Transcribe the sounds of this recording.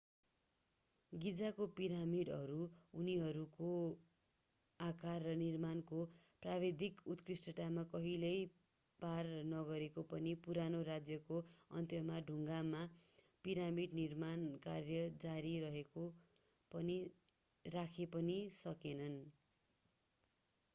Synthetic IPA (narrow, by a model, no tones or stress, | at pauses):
ɡid͡zakopiɾamiɽʌɾuuniɦʌɾuko | akarːʌnirmankoprabed̪ʱikut̪krisʈʌʈamakʌɦilej | parnʌɡʌɾekopʌnipuɾanoɾad͡zjʌkoʌ̰nt̪jʌmaɖʱuŋɡamapiɾamiɽnirmankarjʌd͡zaɾiɾʌɦeko | pʌni | rakʰepʌnisʌkenʌn